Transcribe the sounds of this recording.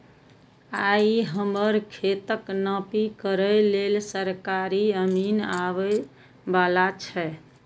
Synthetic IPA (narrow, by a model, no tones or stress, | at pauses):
aiɦəməɾkʰet̪əknəpikəɾəlelsəɾkaɾiəminaʋə | balat͡ʃʰɛ